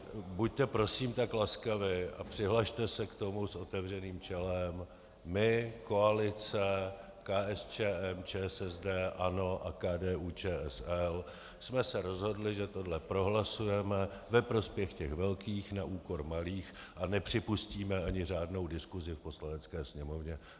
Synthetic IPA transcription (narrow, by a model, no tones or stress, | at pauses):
buct̪ɛpɾo̞siːmt̪aklaskavɪʔa̰pr̝̥ɪɦlaʃt̪ɛsɛkt̪o̞muso̞t̪ɛvr̝ɛniːmt͡ʃɛlɛmː | ɪko̞alɪt͡sɛ | kaːʔɛst͡ʃɛːʔɛmt͡ʃɛːsɛzdɛːʔano̞ʔakaːdɛːʔuːt͡ʃɛːɛsɛl | smɛsɛɾo̞zɦo̞dlɪʒɛt̪o̞dlɛpɾo̞ɦlasujɛmɛvɛpɾo̞spjɛxcɛxvɛlkiːxnaʔuːko̞ɾmaliːxʔanɛpr̥ɪpusciːmɛaɲɪr̝aːdno̞wdɪskuzɪfpo̞slanɛt͡skɛːsɲɛmo̞vɲɛ